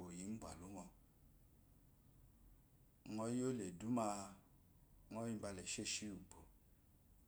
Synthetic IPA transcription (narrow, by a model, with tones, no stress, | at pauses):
o˨ji˨˦ŋ̩˦ɡ͡ba̰˨lu˨˦ŋɔ˧˦ | ŋɔ˦jo˦le˨du˨˦ma˧˦ | ŋɔ˦i˦ba˧lɛ˨ʃe˦˨ʃi˦u˨bo˨